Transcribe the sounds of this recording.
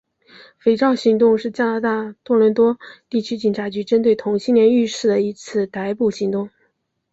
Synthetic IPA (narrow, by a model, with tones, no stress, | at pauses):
fe˧˥ɪʈ͡ʂɑ˥˩ʊɕi˧˥ŋt̪ʊ˥˧ŋʂɻ̩˥˩t͡ɕja˥na˧˥t̪a˥˩t̪wɔ˥lwə˧˥nt̪wɔ˥t̪i˥˩t͡ɕʰy˥t͡ɕi˨˩nʈ͡ʂʰa˧˥t͡ɕy˧˥ʈ͡ʂə˥nt̪we˥˩ɪt̪ʰʊ˧˥ŋɕi˥nljɛ˧˥ny˥˧ʂɻ̩˥˩d̪ə˩i˧˥t͡sʰɹ̩˥˩t̪a˧˥ɪpu˨˩ɕi˧˥ŋt̪ʊ˥˩ŋ